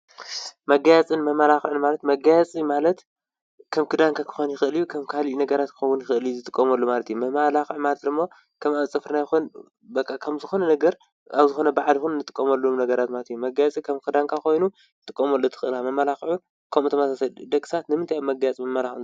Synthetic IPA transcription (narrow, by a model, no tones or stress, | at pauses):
mɐɡajat͡sʼɨnmɐmɐlaxɨʕɨnmalɐt̪mɐɡajat͡sʼimalɐt̪ | kʰɐmkʰɨd̪aŋkʰakʰɨ̥xonjɪxɨʔɨlijukʰɐmkʰaliʔnɐɡɐɾat̪kʰɨ̥xɐwʊnjɪxɨʔɨlijuzɨt̪ʼɨkʼːɐmɐlːumalɐt̪jumɐmalaxʕmalɐt̪d̪ɨmːo | kʰɐmaβt͡sʼːɨfɨɾnajxon | bɐkʼːakʰɐmzɨxo̞nɐnɐɡɐɾ | aβzɨxonɐbaʕaljixunnːɨt̪ʼɨkʼːɐmɐlːumnɐɡɐɾat̪malɐt̪ijːumɐɡajat͡sʼikʰɐmkʰɨd̪aŋkʰakʰo̞jnu | ɨt̪ʼɨkʼːɐmɐlːot̪ʰɨ̥xɨɨlamɐmɐlaxɨʕun | kʰɐmut̪ʰɐmasasɐld̪ɐkʼːɨsat̪nɨmɨnt̪ʰajumɐɡajat͡sʼimɐmːɐlaxun